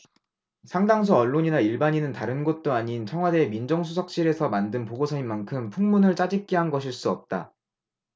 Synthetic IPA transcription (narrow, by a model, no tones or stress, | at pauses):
sʰaŋdaŋs̬ʰuʌɭːoɲinaiɭbaɲinɯntaɾɯnɡʌt̚t͈oaɲint͡ɕʰʌŋɦwademind͡ʑʌŋsʰusʰʌk̚ɕ͈iɾe̞sʰʌmandɯnpoɡosʰʌimːankʰɯmpʰuŋmunɯɭt͡ɕ͈ad͡ʑik͈eɦanɡʌɕʰiɭs͈uʌp̚t͈a̰